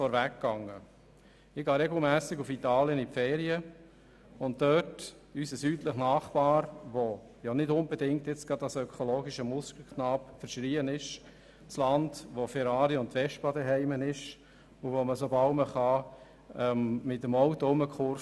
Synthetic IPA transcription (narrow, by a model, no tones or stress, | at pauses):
fɔɾvækːɑŋːə | ɪɡ̥ɑːɾɛɡl̩ˠmæːsɪɡufitɑːljənipfɛːɾiə | ʊnt̚dœt | ysəsyːtləχnɑːχpɑːɾʋo | jɑnɪdʊnbədɪŋktjɪt͡sɡ̥ɾɑdɑsœkʰoloːɡiʃəmʊskl̩ˠkχnɑːpfəɾʃɾiːənɪʃ | t͡slɑndʋofɛɾɑːɾiʊntʋɛʃt̚pɑdɛɦɛɪmənɪʃ | uvoməsobɑlməχɑ | ɛmmɪtəmɔʊtəʊməkʰʊɾ